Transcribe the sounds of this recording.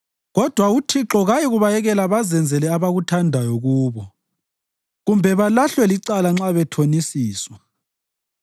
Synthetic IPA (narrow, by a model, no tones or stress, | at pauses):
ɣɔd̥ʱwautʰiǁɔɣajiɣuβajɛɣɛlaβazɛnd͡zʱɛlɛaβaɣutʰandʱajɔɣuːβɔ | ɣumbʱɛβalaɬwɛliǀalaŋ͡ǁaβɛtʰonisiːswa